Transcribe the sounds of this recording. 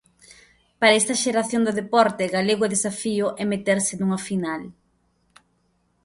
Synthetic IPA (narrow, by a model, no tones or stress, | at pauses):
paɾɐɛst̪ɐʃeɾaθjoŋd̪oðepɔɾt̪eɣaleɣʊɛðesafiʊʔɛmet̪eɾsɪnuŋɐfinal